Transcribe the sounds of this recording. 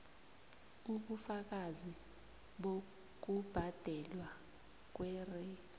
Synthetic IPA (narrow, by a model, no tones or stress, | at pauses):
uɓufak̬azi | ɓo | k̬ub̥ʱad̥ʱɛlwa | k̬wɛːrɛ